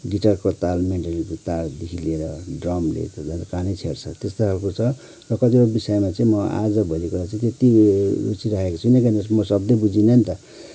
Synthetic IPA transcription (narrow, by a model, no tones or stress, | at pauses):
ɖiʈʌrkot̪almeɳʈat̪ald̪ikʰilieɾʌɖrʌmlḛt̪d͡zʱʌnakanit͡sʰeɾt͡sʰʌt̪est̪oɦalkot͡sʰʌ | rʌkʌt̪ikobisajmat͡sʌ̃ĩmʌa̰d͡zʌbʱʌlikuɾat͡saĩt̪et̪iṵt͡siɾaɦekot͡sʰunekʌnʌsmʌsʌb̚d̪ʌbud͡zinʌnt̪ʌ